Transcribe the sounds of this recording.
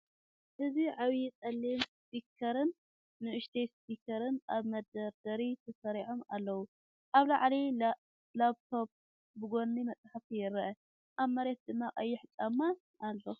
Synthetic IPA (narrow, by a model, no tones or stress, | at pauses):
ʔɨziʕawit͡sʼɐlːimspikʰɐɾɨnː | ɨʔɨʃt̪ʰejspikʰɐɾɨnʔaβmɐd̪ɐɾd̪ɐɾit̪ʰɐsɐɾiʕo̞ma̰lːɐwu | ʔaβlaʕli | laβt̪ʰo̞b̚ | bɨɡo̞nːimɐt͡sʼaħafijɪɾɐʔɐ | ʔaβmɐɾet̪̚d̪ɨmːaʔʼɐjːɪħɨt͡ʃʼamːa | ʔalːo